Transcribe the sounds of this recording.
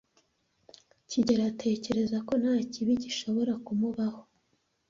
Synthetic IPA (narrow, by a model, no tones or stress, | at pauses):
ciɟeɾatʰe̞ːce̞ɾe̞zako̞n̥haːciβiɟiʃo̞βo̞ɾakumuβaho̞